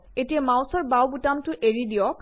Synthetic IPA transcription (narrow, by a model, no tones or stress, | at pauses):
etijamawsɔɹbawbutamtʊʔeɹidijɔk